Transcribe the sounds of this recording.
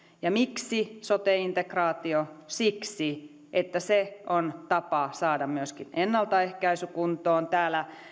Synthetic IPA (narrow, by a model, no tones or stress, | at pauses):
jɑmiksisot̪eːint̪ekrɑːt̪iosiksi | ʔet̪ːæseʔont̪ɑpɑsɑːdɑmmyøskinenːɑlt̪ɑehkæisykunt̪oːnt̪æːlæ